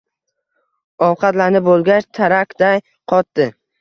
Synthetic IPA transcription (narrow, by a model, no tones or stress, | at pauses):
ɒwqʰɑt̪lanɪp̚bolˠɡʲat͡ʃt̪ʰaɾakʲd̪aj | qʰɒt̪d̪ɪ